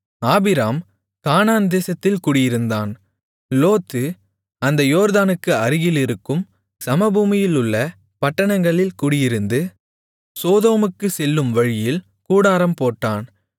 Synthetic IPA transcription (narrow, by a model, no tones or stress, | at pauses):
aːbɪɾaːm | kaːnaːnd̪eːsɐt̪ːɪlkʊɽɪjɪɾɯnd̪aːn | loːt̪ːɯ | ɐnd̪ɐjoːɾðaːnɯkːɯɐɾɪɣɪlɪɾɯkːɯm | sɐmɐbuːmɪjɪlʊɭːɐ | pɐʈːɐɳɐŋɡɐɭɪlkʊɽɪjɪɾɯnd̪ɯ | soːðoːmɯkːɯsɛlːɯmʋɐɻɪjɪl | kuːɽaːɾɐmpoːʈːaːn